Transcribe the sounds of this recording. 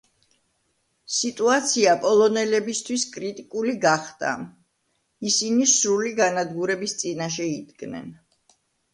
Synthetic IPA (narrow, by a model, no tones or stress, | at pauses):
sit̪ʼuat̪sʰiapʼɔlˠɔnɛlɛbist̪ʰwiskʼɾit̪ʼikʼuliɡaχd̪a̰ | isinisɾuliɡanad̪ɡuɾɛbist̪sʼinaʃ̬ɛid̪ɡnɛ̰n